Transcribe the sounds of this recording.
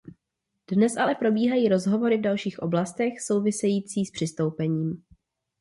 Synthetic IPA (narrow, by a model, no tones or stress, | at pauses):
d̥nɛsʔalɛpɾo̞biːɦajiːɾo̞zɦo̞vo̞ɾɪvdalʃiːxʔo̞̰blast̪ɛxso̞wvɪsɛjiːt͡siːspr̥ɪst̪o̞wpɛɲiːm